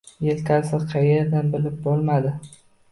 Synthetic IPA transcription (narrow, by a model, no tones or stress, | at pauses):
jelt̪ʰʲasɪqʰɑjeɾd̪anbɪlɪp̚bɒlˠmad̪ɪ